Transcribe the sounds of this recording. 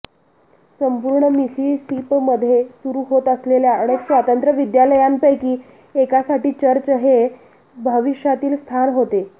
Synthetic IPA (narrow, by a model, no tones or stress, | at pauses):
səmpuɾɳəmisisipməd̪ʱːjesuɾuɦot̪əsleljaəɽ̃eksʋat̪ənt̪ɾəʋid̪jaləjampəjkiː | ekasaʈiːt͡ɕəɾt͡ɕəɦe | bʱəʋiɕjat̪iːlst̪ʰanɦot̪e